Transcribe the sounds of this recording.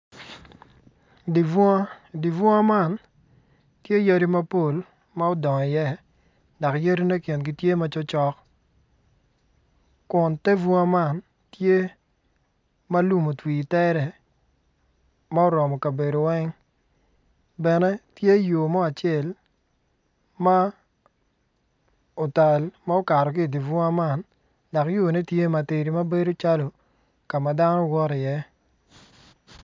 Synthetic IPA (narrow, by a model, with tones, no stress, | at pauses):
di˨vdi˨vɔ˦a˦ma˦˨n | tje˦jo˦ɾi˦ma˦po˦˨l | ma˦o˦dɔ˨ŋɔ˨ɪ˨jɛ˦˨ | da˨kjo˦ɾi˦ne˦kjɛ˨nɡi˦tje˦ma˦t͡ʃɔ˦t͡ʃɔ˦k | kʊ˨nte˦vɔ˦a˦ma˦˨n | tje˦ | ma˦lu˦mo˨twi˨tɛ˦ɾɛ˨ | ma˦o˦ɾɔ˨mɔ˨ka˨be˨do˨wɛ˦ŋ | bɛ˨nɛ˦tje˦jo˨mɔ˦a˨t͡ʃɪɛ˨l | ma˦ | o˨ta˨lma˦o˦ka˨ɾɔ˨k̬ɪ˦˨di˨vʊ˦a˦ma˦˨n | da˨kjo˦˨ne˦tje˦ma˨te˨ɾi˨ma˦be˦do˦t͡ʃa˦lo˨ | ka˨ma˨da˦nɔ˦wɔ˦ɾɪ˨jɛ˦